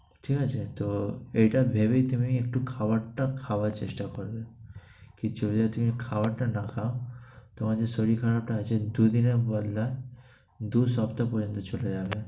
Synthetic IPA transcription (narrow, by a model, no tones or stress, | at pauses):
ʈʰiːkat͡ʃʰet̪oejʈabʱebeit̪umiek̚ʈukʰaʋaʈakʰaʋat͡ʃḛʃʈakɔɾd̪e | kid͡ʒobd͡ʒat̪umikʰaʋaʈʈanakʰaot̪ɔmad͡ʑesoɽikʰaɾab̚ʈaːt͡ʃʰed̪ud̪inebɔd̪lae | d̪usapt̪apɔɾjənt̪ɔt͡ʃoled͡ʒabe